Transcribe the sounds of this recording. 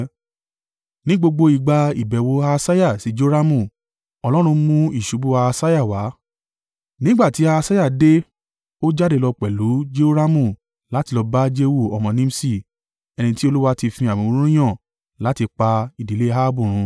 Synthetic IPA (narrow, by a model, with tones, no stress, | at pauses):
nĩ˦ɡ͡bo˧ɡ͡bo˧i˨ɡ͡ba˧i˨bɛ˨wo˧a˧sa˦ja˦˨si˨˦d͡ʒo˦ɾa˦mũ˦˨ | ɔ˧lɔ˦ɾ̃ũ˧mũ˧i˦˨ʃu˨˦bu˦a˧sa˦ja˦˨wa˨˦ | nĩ˦ɡ͡ba˦˨ti˨˦aː˧sa˦ja˦˨de˦ | o˦d͡ʒa˦de˧lɔ˧k͡pɛ˨lu˨˦d͡ʒe˦o˦ɾa˦mũ˦˨ | la˨˦ti˧lɔ˧ba˦d͡ʒe˦wu˦˨ɔ˧˨mɔ̃˧nĩ˦m̩˦si˦˨ | ɛ˧nĩ˧ti˦o˧lu˦wa˦ti˧fĩ˧a˨mĩ˨˦ũ˦ũ˦j̃ã˦˨ | la˨˦ti˧k͡pa˧i˨di˨le˦ɦa˦bũ˦˨ɾ̃ũ˨˧